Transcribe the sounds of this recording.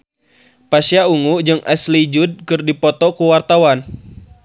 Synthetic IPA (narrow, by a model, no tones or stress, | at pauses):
pasiauŋud͡ʒɨŋʔɛslid͡ʒud̚kɨrdipɔt̪ɔkuwart̪awan